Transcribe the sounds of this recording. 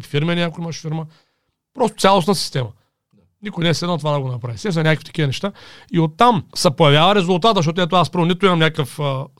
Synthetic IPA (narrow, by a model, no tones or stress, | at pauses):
fiɾmɛnʲiakoimɐʃfiɾmə | pɾɔst̪ʊ̥t̪sʲalˠosnɐsi̥st̪ɛmɐ | nikʊjnɛːslɛd̪nt̪ovad̪ɐɡonɐpɾavisɛsɐnakfit̪ɐ̥kivɐnɛʃt̪aiot̪ːamsɛpojɐvjavɐɾɛzulˠt̪at̪zɐʃ̬ɔt̪̬ɛt̪oaaspəɾvonit̪ʊimɐmnʲakəfə